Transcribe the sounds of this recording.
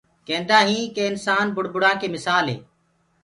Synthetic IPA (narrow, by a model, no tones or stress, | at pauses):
kẽːnd̪aːɦĩːkeːɪnsaːnbʊɽbʊɽãːkeːmɪsaːlɦḛː